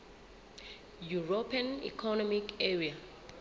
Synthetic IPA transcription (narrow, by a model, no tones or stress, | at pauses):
juɹopʰãnḭkʰɔnɔmikɛɹia